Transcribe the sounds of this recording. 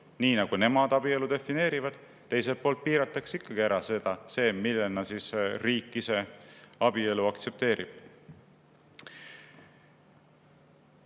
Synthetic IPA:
niːnɑɡ̥une̞mɑd̪̥ɑb̥ie̞lud̪e̞fːine̞ːɾivɑd̪̥ | t̪ːe̞jse̞lt̪̚po̞ːlt̪̚piːɾɑt̪ːˑɑksikːɑɡ̥iæɾɑse̞d̪̥ɑse̞ːmilːenːɑsisriːkːise̞ɑb̥ie̞luɑkt̪se̞p̚t̪e̞ːɾʔib̥

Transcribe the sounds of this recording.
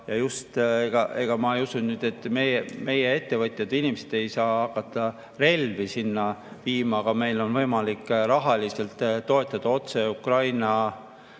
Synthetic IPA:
jɑjust̪eɡ̥ɑʔe̞ɡ̥ɑmɑejusunnyːd̪̥e̞t̪ːˑmejme̞jee̞t̪ːe̞vɤt̪ʲˑjɑd̪̥inimesed̪̥e̞jsɑːɑkːˑɑt̪ːˑɑ | re̞lvisinːɑviːmɑːɡ̥ɑme̞jlo̞nvɤjmɑlikːrɑɦɑlise̞lt̪ˑtːo̞e̞t̪ːˑɑd̪̥ɑo̞t̪se̞ukrɑjnɑ

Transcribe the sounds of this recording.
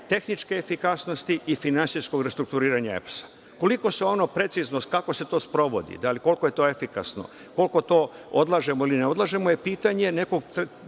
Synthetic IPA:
t̪e̞xnit͡ʃke̞ːfikasno̞st̪iifinansijsko̞ɡɾest̪ɾukt̪uɾiːɾaɲaḛpsḁ | ko̞liko̞seo̞no̞pɾe̞t̪siznokako̞se̞t̪o̞ːspɾo̞ʋo̞d̪ḭd̪aliko̞lkoje̞t̪o̞ːe̞fika̰sno̰ | ko̞lko̞t̪o̞ːo̞d̪lˠaʒe̞moilineo̞d̪lˠaʒe̞mojepiːt̪aɲe̞ne̞ko̞ɡt̪

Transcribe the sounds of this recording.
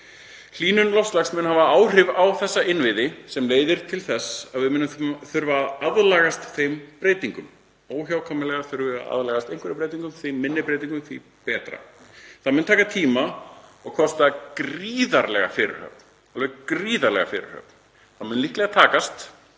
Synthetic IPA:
l̥iːnʏnlɔfslaxsmɛnhavaaːwr̥ɪvawθɛsːaʔɪnvɪðɪsɛmleːjðɪɾ̥t̪ʰɪlθɛsaðvɪmʏnːʏmθʏɾvaaðlaːɣast̪θejmpɾeːjt̪iŋkʏm | oːwçaːwkʰamɪlɛɣaθʏɾvɪa̰ðlaɣast̪ejŋkvɛɾɪpɾeːjt̪iŋkʏmθemːɪnːɪpɾejt̪iŋkʏmθḭ | pɛːt̪ɾa̰θaðmɛnt̪ʰaːkat̪ʰiːmaɔɣkʰɔst̪akriːðaɾlɛɣa̰fɪɾɪ̰ɾ̥hœ̰p̚n | alvɛkɾiːðaɾlɛ̰ɣa̰fɪ̰ɾɪ̰ɾ̥hœ̰pn̚n | θaðmʏnlihklɛɣat̪ʰaːkast̪

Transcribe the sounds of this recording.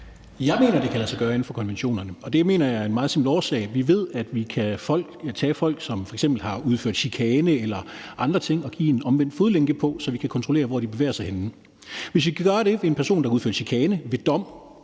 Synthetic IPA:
jɑ̈ɪme̝̰ːnɐd̥e̝kʰælæsɑɡɶːɐe̝n̩fɒ̽kʰɒ̽nʋenɕo̝̰ːnɐnəɒ̽d̥e̝me̝̰ːnɐjɑ̈æɐe̝nmɑ̈ːðˠsembl̩ɒːsɛ̰ɪʋiʋe̝ð̰ˠæd̥ʋikʰæfɒ̽l̰ɡ̥t͡sʰɛ̰ːfɒ̽l̰ɡ̥sɒ̽mfɒ̽eɡ̥semb̥l̩hɑ̈uð̞ˠfø̰ɐ̰d̥ɕikʰɛːnəelɐɑ̈nd̥ʁɐt͡sʰe̝ŋ̰ɒ̽ɡ̥ḭːenɒ̽mʋen̰d̥foð̞ˠleŋɡ̥əpʰɒ̽sɒ̽ʋikʰækʰɒ̽nt͡sʰʁo̝le̝̰ːɐʋɒd̥ib̥e̝ʋḛːɐsɑ̈ɪenn̩ | ʋe̝sʋikʰæɡ̥ɶːɐɾ̥e̝enpʰæɐso̝̰ːndɑuðˠfø̰ɐd̥ɕikʰɛːnəʋe̝d̥ɒ̽m̰

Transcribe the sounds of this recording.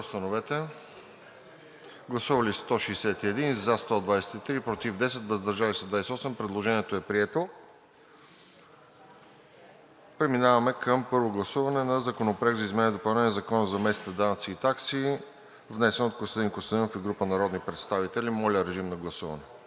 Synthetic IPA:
st̪ɐnovɛt̪ɛ | ɡlˠɐsuvɐlist̪ɔʃiːsɛt̪iɛd̪inzɐst̪ɔd̪vajsɛ̥t̪it̪ɾipɾot̪ivd̪ɛsɛt̪vəzd̪ɐɾʒalisɛd̪vajsɛɔsɛmpɾɛd̪lˠoʒɛniɛt̪oɛpɾiɛt̪o | pɾɛminavɐmɛkəmpɤɾvoɡlˠɐsuvɐnɛnɐzɐkonopɾak̪zɐizmɛnid̪opɐlˠnɛnizɐkɔnɐzɐmɛsni̥t̪ɛd̪anɐt̪siːt̪aksi | vnɛsɛnot̪̚kost̪d̪iŋkost̪od̪infiɡɾupənɐɾɔd̪nipɾɛt̪st̪avit̪ɛlimɔlʲəɾɛʒimnɐɡlˠɐsuvɐ̰nɛ

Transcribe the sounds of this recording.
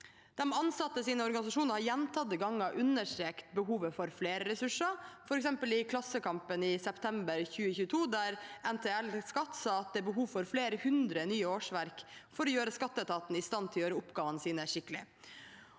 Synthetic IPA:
d̪̥ɛmɑnsɑt̪ːəsiːnəɔɾɡɑnɪsɑʂuːnəɾhɑɾjɛnt̪ʰɑt̪ːəɡɑŋːɑʔʉnəʂʈɾeːkt̪bəɦuːʋəfɔɾfleːɾəɾɛsʉʂəfɔɾɛksɛmpəlɪkʰlɑsəkʰɑmpənɪsɛpt̪ʰɛmbəɾçʉːəçʉːt̪ʰuːd̪æɾɛnt̪ʰeːælskɑt̪ːsɑːɑt̪̚d̪ɛːbəɦuːʋfɔɾfleːɾəhʉnd̪ɾənyːəoːʂʋæɾkfɔɾɔjøːɾəskɑt̪ːət̪ʰɑːt̪n̩ɪst̪ɑnt̪ʰɪlɔjøːɾəʊpɡɑːʋənəsiːnəæʂɪkːəlɪ̰

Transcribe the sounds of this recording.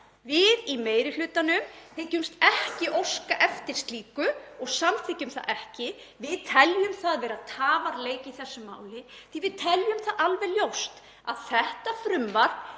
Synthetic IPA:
vɪðimeːjɾɪlʏːt̪anʏmθecʏmst̪ɛhcɪʔowskaʔɛft̪ɪɾ̥st̪liːkʏɔɣsamt̪ʰɪcʏmθa̰ðʔɛhcɪ | vɪðt̪ʰɛljʏmθaaðvɛːɾat̪ʰaːvaɾleːjcɪiθɛsːʏma̰ːwlɪθivɪðt̪ʰɛljʏmθaðalvɛljowst̪ | a̰ðθɛht̪afɾʏmvaɾ̥

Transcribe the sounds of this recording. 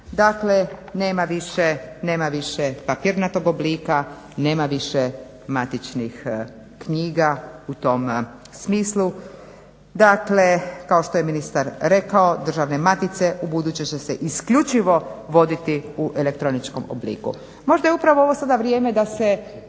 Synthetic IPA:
d̪akle̞neːmaʋiʃene̞ːmaʋiʃepapiːɾnat̪oɡobliːka | ne̞ːmaʋiʃe | mat̪it͡ʃnix | kɲiːɡaut̪o̞m | smiːslˠu | d̪aklekao̞ʃt̪ojeminist̪aɾɾe̞kao̞d̪r̩ʒaʋne̞mat̪it̪se̞ʔubud̪uːt͡ɕet͡ɕeseʔiskʎut͡ʃiʋoʋo̞d̪it̪iuʔelek̚t̪ɾo̞nit͡ʃko̞mo̰blḭːkṵ | mo̞ʒd̪ajeupɾaʋooʋo̞sad̪aʋɾjeːme̞d̪ase

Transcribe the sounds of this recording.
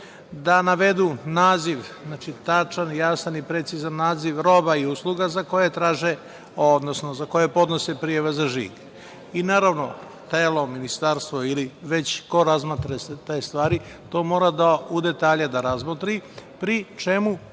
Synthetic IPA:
d̪anaʋe̞d̪unaːziʋznaːt͡ʃit̪at͡ʃanjasanipɾet̪sizanːaːziʋɾo̞baiuːslˠuɡazako̞jet̪ɾaːʒe | od̪nosno̞zako̞jepo̞d̪no̞sepɾijaʋazaʒḭːɡ | inaːɾaʋno̞ | t̪eːlˠo̞minist̪aɾst̪ʋoiliʋe̞t͡ɕko̞ɾazmat̪ɾeset̪ejst̪ʋaːɾi | t̪o̞ːmo̞ːɾad̪aud̪et̪aːʎad̪aɾazmot̪ɾipɾit͡ʃe̞mu

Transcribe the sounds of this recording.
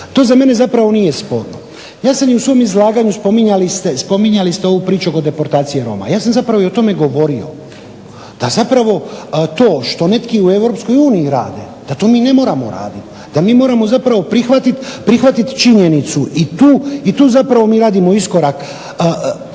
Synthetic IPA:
t̪o̞ːzame̞ne̞zapɾaʋo̞nije̞spo̞ːɾno̰ | jaːsamjiusʋo̞mizlˠaːɡaɲuspo̞miɲalist̪e̞spo̞miɲalist̪eo̞ʋupɾiːt͡ʃuoko̞d̪e̞po̞ɾt̪aːt̪sije̞ɾo̞̰ma̰jaːsamzapɾaʋoio̞t̪o̞me̞ɡo̞ʋo̞ɾio̞̰ | d̪̥azapɾaʋo̞t̪o̞ːʃt̪o̞ne̞t̪kiue̞vɾopsko̞juːniiɾa̰ːd̪e̞ | d̪̥at̪o̞ːmiːne̞mo̞ːɾamoɾa̰ːd̪it̪ | d̪amiːmo̞ːɾamo̞zapɾaʋopɾixʋat̪it̪pɾixʋat̪it̪t͡ʃiɲe̞nit̪suʔit̪uːit̪uːzapɾaʋo̞miːɾaːd̪imo̞isko̞ɾakː

